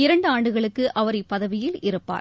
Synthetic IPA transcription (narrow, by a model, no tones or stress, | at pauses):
ɪɾɐɳɖɯaːɳɖɯɣɐɭɯkːɯʔʔɐʋɐɾɐɪpːɐðɐʋɪjɪlɪɾɯpːa̰ːɾ